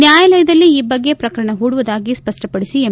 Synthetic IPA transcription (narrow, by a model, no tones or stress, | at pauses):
njaːjɐlɐjɐd̪ɐlːiiːbɐɡːe̞pɾɐkɐɾɐɳɐɦuːɽuʋud̪aːɡispɐsʈʰɐpɐɽisie